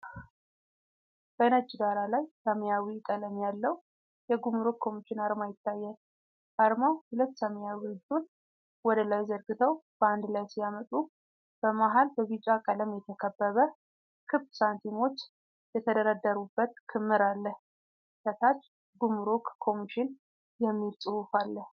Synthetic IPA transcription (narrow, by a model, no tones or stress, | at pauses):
b̥ənəd͡ʒd̪aɾalajsəməjawit̪ʼələmjalːəw | jɛɡumuɾokʰːo̞mit͡ʃːɪnaɾmajɪt̪ːajːɛl | aɾmawhʊlət̪ːsəmjawid̪un | wɔd̪əlajzəɾɡɨt̪ʰəwb̥əand̪lajsijamət̪ʼu | b̥əmaɦalbəβit͡ʃʼakʼələmjɛt̪ʰəkʰəbːəβə | kʰɨbsant̪ʰimo̞t͡ʃː | jɛt̪ʰəd̪əɾad̪ːəɾubːət̪kʰɨmːɨɾalːəh | sət̪ʰat͡ʃː | ɡumuɾokʰːo̞miʃɪn | jɛmːilsʼɨhufalːəh